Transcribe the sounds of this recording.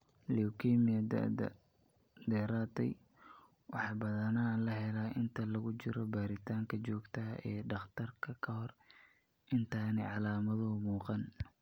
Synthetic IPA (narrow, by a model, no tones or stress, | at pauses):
lɛʊkʰɛːmɪɐd̪̰ | d̪ɛːɾaːt̪ʰɛ̰j | wɑħɑbɐðɐnaːlɐɦɛlaːʔɪnt̪ʰɐlɐɣʊt͡ʃɪɾɔbaːɾɪt̪ʰaːŋkʰɐt͡ʃɔːɡt̪ʰɐʔɛːɖɑχt̪ʰɐrkʰɐkʰɐhɔr | ɪnt̪ʰaːnɛ̰ʕɑlaːmɐðʊmuːqɑn